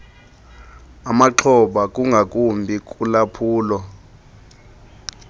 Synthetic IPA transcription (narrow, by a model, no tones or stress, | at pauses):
amaǁʰɔɓak̬ʼuŋɡʱakʼumbʱik̬ʼulapʰuːlɔ